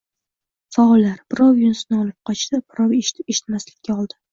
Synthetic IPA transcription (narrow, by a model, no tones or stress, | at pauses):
faɒlːaɾb̥ɪɾɒwjʊnsɪnɪɒlˠɪp̚qʰɒt͡ʃd̪ɪb̥ɪɾɒweʃɪ̥t̪maslɪkʲʰːaɒlˠd̪ɪ